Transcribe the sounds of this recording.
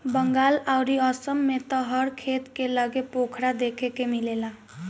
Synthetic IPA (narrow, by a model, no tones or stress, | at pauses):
bʌŋɡalawɾiʌsʌmːet̪ʌɦʌɾkʰet̪kelʌɡepokʰɾad̪ekʰekemilela